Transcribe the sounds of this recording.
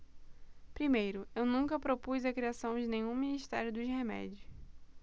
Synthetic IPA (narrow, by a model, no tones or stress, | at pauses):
pɾimejɾʊewnũŋkɐpɾopujzɐkɾiasɐ̃w̃d͡ʒɪnẽjɲũmĩniʃt̪ɛɾjʊd̪ʊzhemɛ̰d͡ʒʊs